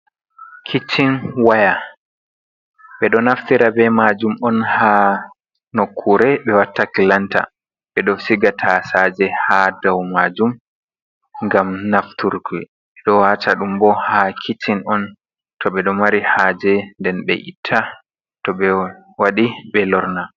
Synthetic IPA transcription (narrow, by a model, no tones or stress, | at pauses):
kʰit͡ʃːinwaja | ɓɛɗɔnaftiɾabɛmad͡ʒumɔnha | nokʰːuɾɛɓɛwatːakilanta̰ | ɓɛɗɔsiɡatʰasad͡ʒɛhadawmad͡ʒum | ŋɡamnaftʰuɾki | ɓɛɗɔwaːtaɗumbɔhakʰit͡ʃːinɔn | tɔɓɛɗɔmaɾihaːd͡ʒɛndɛnɓɛ̰ʔḭtʰːa | tɔɓɛ | waɗiɓɛlɔɾna